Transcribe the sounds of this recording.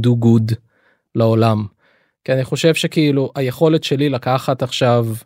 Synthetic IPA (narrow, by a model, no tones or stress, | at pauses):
d̪uɡud̪ | leo̞lam | kianiχo̞ʃe̞vʃe̞kiiluʔajeχo̞letʃe̞lilakaχat̪aχʃav